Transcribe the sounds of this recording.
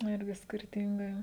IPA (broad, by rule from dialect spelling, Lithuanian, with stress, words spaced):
nʊ ˈɪrʲɡʲɪ sʲkʲɪrʲˈtʲɪŋɡɐɪ